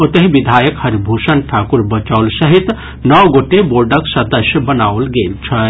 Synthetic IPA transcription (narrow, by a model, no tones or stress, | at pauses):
ot̪əɦiʋid̪ʱaːjəkhəɾbʱusənʈʰakuɾbət͡ʃaːlsəɦit̪ | nɔwɡoʈeboɾɖəksəd̪əsjəbənawlɡeːlt͡ʃʰə